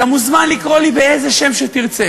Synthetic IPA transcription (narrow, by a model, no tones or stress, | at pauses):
amuzmanlikʁo̞libeeze̞ʃe̞mʃet̪iʁt͡se